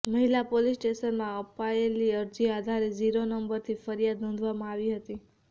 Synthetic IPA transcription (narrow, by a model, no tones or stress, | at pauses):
məɦilapolisʈeʃənmãəpaeliəɾd͡ʒiad̪ʱaɾed͡ʒiɾonəmbəɾt̪ʰifəɾijad̪nõnd̪ʱʋamãaʋiɦət̪i